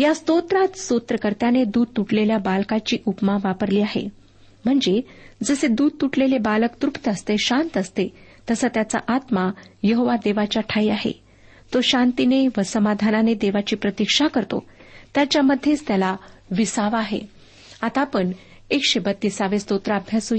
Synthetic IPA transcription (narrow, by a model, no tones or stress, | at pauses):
jast̪ot̪ɾat̪sot̪ɾəkəɾt̪janed̪uːd̪̚t̪uʈleljabalkat͡ɕiːʔupmaʋapəɾliːaɦḛ | m̤əɳd͡zed͡zəsed̪uːd̪̚t̪uʈlelebaləkt̪ɾupt̪əst̪eɕant̪əst̪et̪əsət̪jat͡sa̰ʔat̪majəɦoʋad̪eʋat͡ɕjaʈʰaiaɦḛ | t̪oɕant̪ineʋəsəmad̪ʱananed̪eʋat͡ɕiːpɾət̪ikʂakəɾt̪o̰t̪jat͡ɕjaməd̪ʱːjet͡st̪jalaʋisaʋaɦḛ | at̪apəɳ | ekɕebət̪ːisaʋest̪ot̪ɾaəbʱjaso